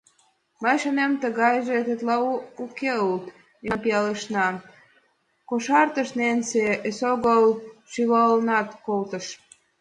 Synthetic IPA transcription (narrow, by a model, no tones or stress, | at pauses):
məjʃənemt̪əɣɑjʒet̪et̪lɑukeult̪ | enpiɑləʃnɑ | koʃɑrt̪əʃnenseesoɣolʃyβɑlnɑt̪kolt̪əʃ